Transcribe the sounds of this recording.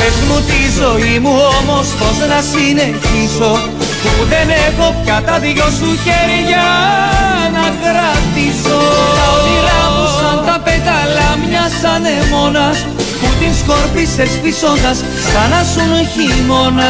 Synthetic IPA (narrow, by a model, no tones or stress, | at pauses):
efnut̪izo̞imuomo̞spo̞senɐsine̞çiso̞ | puðenexo̞pçɐt̪ɐðicosuçeɾʝɐ | nɐɣɾɐt̪isoɐot̪ilɐmusɐnt̪ɐpetɐlɐmɲɐsɐnemo̞nɐs | put̪insko̞ɾpisesfiso̞nd̪ɐsːɐnɐsunoçimonɐ